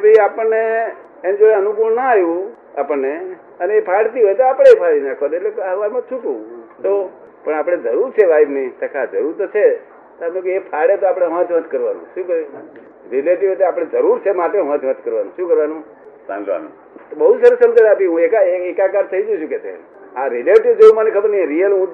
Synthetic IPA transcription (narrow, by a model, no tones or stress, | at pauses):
ebʱəiapəɳneː | md͡ʒoeənukuɽnaɦjũ | apəɳːe | əneepʰaɽt̪iɦojt̪oapəɽ̃eepʰaɽinãkʰot̪eʈlekɦəʋalmãt͡ʃʰuʈũt̪o | pəɳapɽ̃ed͡ʒəɾuɾt͡ʃʰeʋaibnit̪əkʰad͡ʒəɾuɾt̪ot͡ʃʰe | t̪oapnẽkeepʰaɽet̪oapɽ̃eʋə̃t̪ʰʋə̃t̪kəɾʋanṵ̃ʃũkəɾi | ɾileʈiɦojt̪eapɽ̃ed͡ʒəɾuɾt͡ʃʰemaʈeʋə̃t̪ʰʋət̪kəɾʋanũʃũkəɾʋanũ | sã̰a̰ñ̰ | t̪bəɦud͡ʒsəɾəsəmd͡ʒaɽapiɦũekaeekakaɾt̪ʰəid͡ʒũt͡ʃʰũket͡ʃʰḛ | aɾileʈiʋd͡ʒeũmanikʰəbəɾniẽɾijəlɦũ